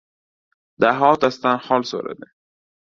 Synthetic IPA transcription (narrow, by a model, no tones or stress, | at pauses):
d̪aɦɔːt̪ast̪anχɔlso̰ɾa̰d̪e